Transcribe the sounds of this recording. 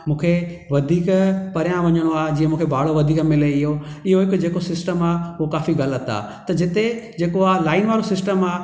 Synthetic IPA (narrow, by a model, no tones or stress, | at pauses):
mũːkʰe | ʋɐd̪ʱiːkpɐɾjãʋɐɲəɽ̃oaːɦd͡ʑĩːə̃mũːkʰebʱaːɽ̤oʋɐd̪ʱiːkmɪleɪɦoɪɦoɦɪkd͡ʑeːkosɪsʈəmaːʊokaːfiɣɐlət̪a̰ː | t̪ɐd͡ʑɪt̪ed͡ʑeːkoaːɦlaːɪnʋaːɾosɪsʈəmaː